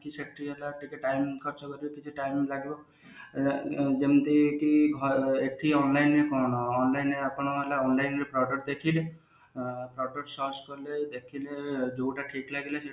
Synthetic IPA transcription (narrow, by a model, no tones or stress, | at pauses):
kisek̚ʈɾiɦelaʈikeʈajmkʰɔɾt͡ʃʰɔkɔɾibekit͡ʃʰiʈajmilaɡibɔ | d͡ʒemt̪ikiɡʱɔekʈʰiɔnlajnːekɔñɔːnlajneapɔɽ̃ɔɦelaɔnlajnepʰɾɔʈɔʈd̪ekʰile | pʰɾɔʈɔʈsɔd͡ʒkɔɾled̪ekʰiled͡ʒouʈaʈʰiklaɡilese